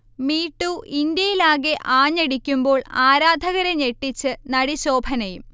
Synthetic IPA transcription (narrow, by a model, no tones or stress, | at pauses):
miːʈːuʔind̪jɐjilaːɣe̞ʔaːɲːeɽikʲːumbo̞ːɭaːɾaːd̪ʱɐɣɐɾeɲeʈːit͡ɕːɨnɐɽiɕo̞ːbʱɐnɐjum